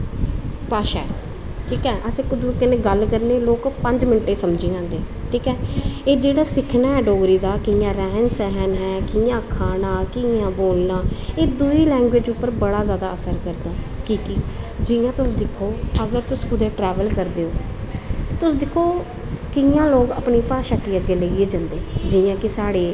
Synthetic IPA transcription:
paːʃaːɛ̰ː | ʈʰiːkɛːʔəsẽːkʊd̪ũkəneːɡəlkəɾneːloːkpəɲd͡ʒmɪnʈːeːsəmd͡ʒĩːd͡ʒãːnd̪eː | ʈʰiːkɛːeːd͡ʒeːɽaːsɪkʰnaːɦɛːɖoːɡɾiːd̪aːkɪjãːɾɛɦənsɛɦənɦɛːkijãːkʰaːnãːkɪjãːboːlnaːeːd̪uiːlɛ̃ːŋɡʋeːd͡ʒʊpːəɾbəɽaːzjaːd̪aːəsəɾkəɾd̪aːkiːkɪd͡ʒɪjãːt̪ʊsd̪ɪkʰːoːəɡəɾt̪ʊskʊd̪eːʈɾɛːʋəlkəɾd̪eːoːt̪eːt̪ʊsd̪ɪkʰːoː | kɪjãːloːɡə̰pniːpaːʃaʈːiːəɡːeːləieːd͡ʒãːnd̪eːd͡ʒɪjãːkɪsaːɽeː

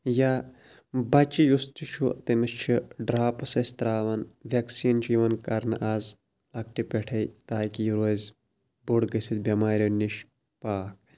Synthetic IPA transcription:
ja | bɐt͡ʃijust̪it͡ʃʰut̪emɨst͡ʃʰiɖɾaːpɐsɐst̪ɾaːʋɐnʋʲɐksiːnd͡ʒiʋɐnkɐɾnɨʔaːz | lɐk̚ʈipeʈʰɐjt̪aːkijiɾoz | buɽɡɐsit̪bʲɐmaːɾʲoniʃ | paːk̚

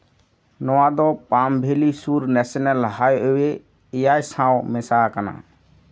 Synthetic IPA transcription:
nɔwad̪ɔpambʱelisuɾnɛsɔnɛlɦajewe | ɛjajsãwmɛsakana̰

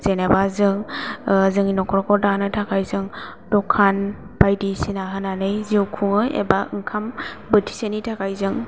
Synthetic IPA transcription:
z̥enabazɯŋ | zɯŋinɔkʰɔɾɔkʰɔdanɯtʰakʰajzɯŋ | dɔkʰan | bajdisinaɦɯnanɯjzewkʰuŋɯjḛbaɯŋkʰambɯtʰi̥senitʰakʰajzɯŋ

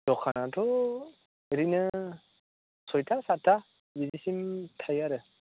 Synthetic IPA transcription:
d̥ɔkʰanatʰɔ | ɾinɯ | sɔjtʰasatʰːa | bidisimtʰajaɾɯ

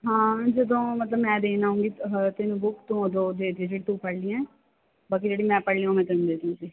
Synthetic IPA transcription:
ɦãːd͡ʒɪd̪õːmət̪ləbmɛ̃ːd̪eːnaːũːŋɡiːt̪ɪnũːbʊkt̪ũːd̪oːd̪eːd̪id͡ʒeːɽit̪ũːpəɽlijãɛː | baːk̬id͡ʒeːɽiːmɛ̃ːpəɽlĩoːmɛ̃ːt̪ɪnd̪eːd̪iũɡiː

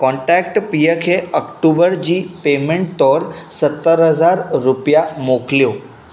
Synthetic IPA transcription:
kɔ̃ɳʈɾɛk̚ʈpijəkʰeəkʈubəɾd͡ʑiːpemẽɳʈ̚t̪ɔɾsət̪ːəɾɦəzaɾɾupjamoklijo

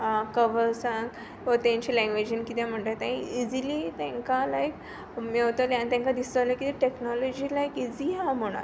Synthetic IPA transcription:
akəʋəɾsãŋɡ | ʋət̪ãɲt͡ɕilɛ̃ŋɡʋed͡ʑinkit̪jãm̤əɳt̪at̪ãɦĩid͡zilit̪ɛ̃ŋkalajk | miot̪əlãnt̪ãŋkad̪isəlakit̪iʈeknɔlɔd͡ʑiːlajkid͡ziɦam̤oɽ̃a̰

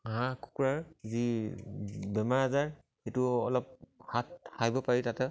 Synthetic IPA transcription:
ɦãku̥kuɹaɹzi | bɛmaɹazaɹ | etuɔlɔp̚hatxajbɔpaɹitatɛ

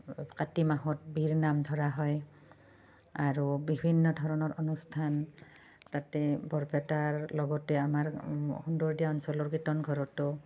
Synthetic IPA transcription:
katimaɦɔt̚biɹnamdʱɔɹaɦɔj | aɹubibʱinːɔdʱɔɹɔnɔɹɔnustʰan | tatɛbʱɔɹpɛtaɹlɔɡɔtɛamaɹxundɔɹdijaɔnsɔlɔɹkitɔnɡʱɔɹɔtɔ

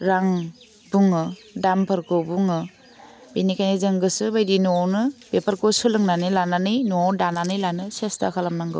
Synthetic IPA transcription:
ɾaŋ | buŋɯdampʰaɾkɯbuŋɯ | benikʰajnizɯŋɡɯsɯbajdinɔwnɯbepʰaɾkosɯlɯŋnanɯlananɯjnuɔdananɯjlanɯsesta̰kʰalamnaŋɡɯ̰w

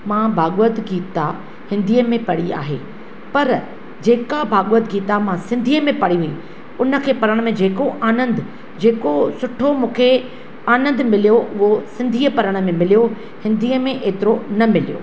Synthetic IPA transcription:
mãːbʱaːɠət̪ɡiːt̪a | hɪ̃nd̪ʱiːəmẽpɐɽia̰ːɦḛː | pɐɾ | d͡ʑeːkabʱaːɠʋət̪ɡiːt̪amãsɪ̃nd̪ʱiːəmẽpɐɽiʋui | ʊnə̆kʰeːpɐɾəɽ̃̆mẽd͡ʑeːkoʔaːnə̃nd̪ʊ | d͡ʑeːkosʊʈʰomũːkʰe | aːnə̃nd̪mɪlijoʔʊɦosɪ̃nd̪ʱiːəpɐɾəɽ̃ə̆mẽmɪlijo | hɪ̃nd̪ʱiːəmẽʔeːt̪ɪɾonɐmɪlijo̰ː

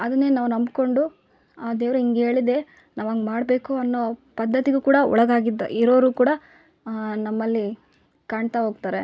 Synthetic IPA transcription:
ɐd̪ɐnːe̞ːnaːʋunɐmbko̞ɳɖu | aːd̪eːʋɾuiŋɡe̞ːɭid̪e̞ː | naːʋɐŋɡmaːɽbe̞ːkuɐnːoːpɐd̪ʱːɐt̪iɡukuːɽɐɔ̰ɭɐɡaːɡid̪̰iɾoʋɾuːkuːɽɐ | nɐmːɐlːi | kaːɳt̪aɦoːɡt̪aːɾe

